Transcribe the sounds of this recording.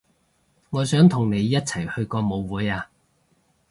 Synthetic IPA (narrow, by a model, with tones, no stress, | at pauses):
ŋɔː˨˧sœː˨˥ŋt̪ʰʊ˨˩ŋne˨˧jːɐ˥t̚t͡sʰɐ˨˩jhɵ˧ɥkɔː˧mo˨˧wwuː˨˥jaː˧